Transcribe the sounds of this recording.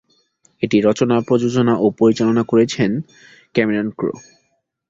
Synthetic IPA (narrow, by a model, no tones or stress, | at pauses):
eʈiɾɔt͡ɕonaɾpɾod͡ʑod͡ʑonaʔopoɾit͡ɕalonakoɾet͡ɕʰen | kɛmeɾonkɾo̰